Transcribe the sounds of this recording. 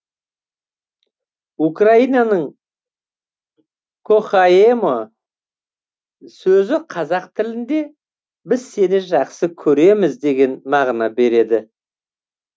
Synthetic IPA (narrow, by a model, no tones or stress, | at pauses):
ukraijnɑnəɴ | kʰoχaemo | sɵzɪqʰɑzɑqt̪ʰɪlɪnd̪e̞ | bɪzse̞nɪʒɑqsəkʲʰɵɾe̞mɪzd̪e̞ɡʲe̞nmɑʁnɑbe̞ɾe̞d̪ɪ